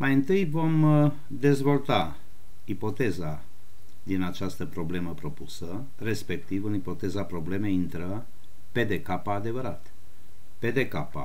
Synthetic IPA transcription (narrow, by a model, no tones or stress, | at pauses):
majɨnt̪ɨjvo̞m | d̪e̞zvo̞lt̪a | ipo̞t̪e̞za | d̪inat͡ʃast̪əpɾo̞ble̞məpɾo̞pusə | re̞spe̞k̚t̪ivɨnipo̞t̪e̞zapɾo̞ble̞me̞jint̪ɾə | pe̞d̪e̞kapaːd̪e̞vəɾat̪ | pe̞d̪e̞kapa̰